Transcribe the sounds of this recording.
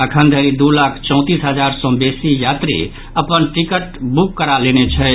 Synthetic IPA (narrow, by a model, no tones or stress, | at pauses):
əkʰənd̪ʱəɾid̪ulakʰt͡ʃɔ̃ʊ̃t̪isɦəd͡ʒaɾsɔ̃besijat̪ɾḭ | əpənʈikəʈbukːəɾalenet͡ʃʰə